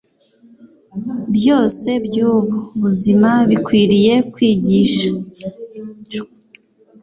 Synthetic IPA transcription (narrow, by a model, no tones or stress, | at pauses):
bjo̞ːse̞bjuːβoβuzimaβikwiːɾije̞kwiːɟiːʃḁ